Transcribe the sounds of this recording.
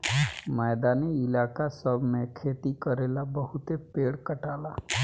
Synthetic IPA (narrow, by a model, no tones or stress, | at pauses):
mɛːd̪aːniɪlaːkasəbʱmẽkʰeːt̪ikəɾeːlabəɦʊt̪epeːɽkəʈaːlaː